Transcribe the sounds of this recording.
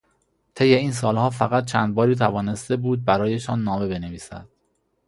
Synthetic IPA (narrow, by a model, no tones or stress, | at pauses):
t̪ʰe̞jːe̞iːns̬ɒːlhɒːfæɣæt̪̚t͡ʃʰænd̪̚bɒːɾiːt̪ʰævɒːne̞st̪e̞buːd̪̚bæɾɒːje̞ʃɒːnːɒːme̞be̞ne̞viːsæ̰d̪̥